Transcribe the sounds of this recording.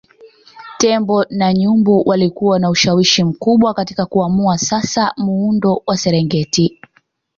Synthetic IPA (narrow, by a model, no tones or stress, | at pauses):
tɛmbɔnaɲumbuwʔalikuwanauʃawiʃim̩kuɓwakatikakuamuasasamuundɔwʔasɛɾɛŋɡɛti